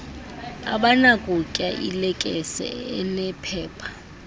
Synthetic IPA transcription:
a̰ɓanakʼukʼaʔilɛkʼɛsɛ̰ɛnɛpʰɛːpʰḁ

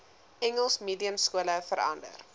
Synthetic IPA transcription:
ɛŋəlˠsmiːdiəmskuələfəɾɐ̰ndə̰r

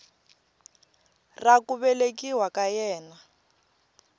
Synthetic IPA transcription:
rakuβɛlekiwakajɛːna

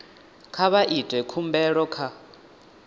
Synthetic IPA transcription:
kʰaβaʔitʼwɛkʰumbɛɺɔkʰa

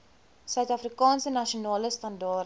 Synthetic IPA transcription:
sœɥtɐfrikɑːnsənɐʃionɑːləstɐndɑːr

